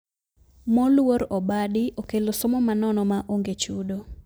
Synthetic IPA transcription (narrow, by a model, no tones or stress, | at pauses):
mɔlwoɾɔbadɪʔokelosɔmɔmanɔnɔmaʔoŋɡet͡ʃudo